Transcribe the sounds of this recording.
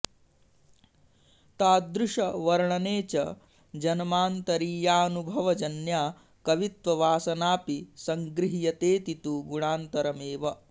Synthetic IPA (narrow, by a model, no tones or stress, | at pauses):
t̪aːd̪ɾuʂɐʋɐɾɐɳɐneːt͡ʃɐ | d͡ʒɐnɐmaːnt̪ɐɾiːjaːnubʱɐʋɐd͡ʒɐnjaː | kɐʋit̪ʋɐʋaːsɐnaːpisɐŋɡɾiɦijɐt̪eːt̪it̪uɡuɳaːnt̪ɐɾɐmeːʋɐ